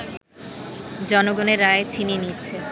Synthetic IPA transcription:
d͡ʑɔnoɡoneɾːaet͡ɕʰininitːɕʰe

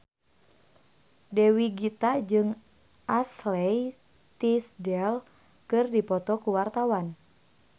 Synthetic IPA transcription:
dɛwiɡit̪ad͡ʒɨŋ | ʔaslɛj | t̪isdɛl | kɨrdipɔt̪ɔkuwart̪awan

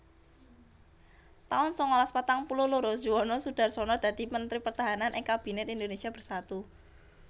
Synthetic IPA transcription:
t̪aʊnsɔŋɔlaspat̪aŋpululuɾodʒuwɔnɔsud̥a̤rsɔnɔd̪̥a̤d̪̥i̤mənt̪ɾipərt̪aɦananʔɪŋkab̥i̤nɛt̪ind̪onesiab̥ərsat̪u

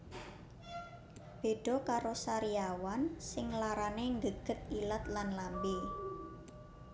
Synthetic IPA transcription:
b̥e̤ɖ̥ɔ̤kaɾosaɾiawansɪŋlaɾaneŋɡəɡ̥ə̤t̪̚ilat̪̚lanlambe

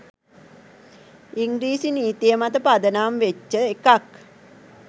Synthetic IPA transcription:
iŋɡɾiːsiniːt̪ijəmat̪əpad̪ənaːmʋet͡ʃːəekak

